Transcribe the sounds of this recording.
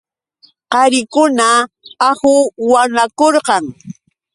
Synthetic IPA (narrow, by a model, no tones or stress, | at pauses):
qɑɾɪkʊnaː | hʊwanakoɾqɑŋ